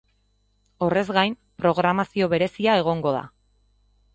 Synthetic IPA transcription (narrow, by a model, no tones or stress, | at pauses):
o̞re̞zɣajm | pɾo̞ɣ̞ɾamasio̞βe̞ɾe̞siae̞ɣ̞o̞ŋɡo̞ða̰